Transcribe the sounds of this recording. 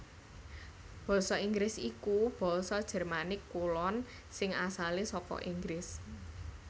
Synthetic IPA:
b̥ɔ̤sɔiŋɡɾɪsikub̥ɔ̤sɔd̥ʒ̥ɛ̤rmanɪkːulɔn | sɪŋasalisɔkɔ̰ʔiŋɡɾɪs

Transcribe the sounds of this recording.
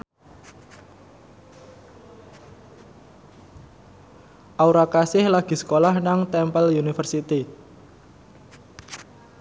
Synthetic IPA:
ʔauɾakasɪhlaɡ̥i̤sə̥kolahnaŋt̪ɛmpəljunifərsit̪i

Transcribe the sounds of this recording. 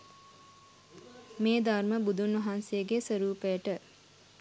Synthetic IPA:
meːd̪arməbud̪unʋɐɦansejəɡesəɾuːpejəʈə

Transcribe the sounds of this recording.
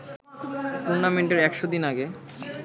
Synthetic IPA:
t̪uɾnameɳʈeɾɛkʃod̪inaɡe

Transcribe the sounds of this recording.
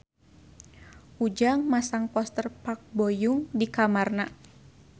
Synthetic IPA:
ʔud͡ʒaŋmasaŋpɔst̪ərpak̚bɔjuŋdikamarna

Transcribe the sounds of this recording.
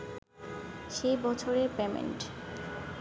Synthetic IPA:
ʃejbɔt͡ɕʰoɾeɾpemḛnʈ

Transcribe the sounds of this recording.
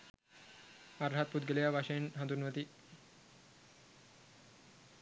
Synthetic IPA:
aɾɦat̪̚pud̪̚ɡəlejaʋaʃenɦɐd̪unʋət̪i

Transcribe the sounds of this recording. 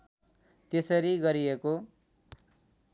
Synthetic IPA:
t̪esʌɾiɡʌɾijeko

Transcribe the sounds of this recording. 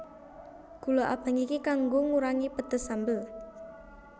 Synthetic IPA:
ɡ̥ṳloʔa̰b̥ä̤ŋikikaŋɡoŋuɾaŋipəd̪̥ə̤sambəl

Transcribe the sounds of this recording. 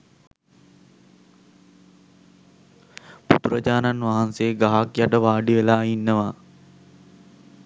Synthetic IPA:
pṵt̪uɾəd͡ʒaːnanʋaɦanseːɡaɦakjaʈəʋaːɖiʋelaːinːəʋa

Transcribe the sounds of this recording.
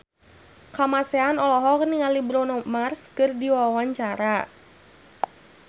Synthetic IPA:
kamasɛanɔlɔɦɔkəniŋalibɾɔnɔmarskɨrdiwawaɲt͡ʃaɾa

